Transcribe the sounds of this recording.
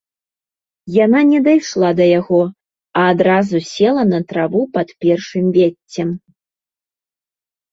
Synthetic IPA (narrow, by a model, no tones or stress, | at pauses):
jananʲɛd̪ajʂlˠad̪ɐjaɣɔ | ɐːd̪ɾazusʲɛlˠɐnɐt̪ɾavupɐt̪pʲɛrʂɨmvʲet͡sʲːɛm